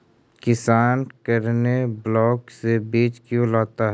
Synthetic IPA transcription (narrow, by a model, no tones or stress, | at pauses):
kɪsaːnkəɾneblɔːksebeːt͡ʃkjõlaːt̪aɦɛ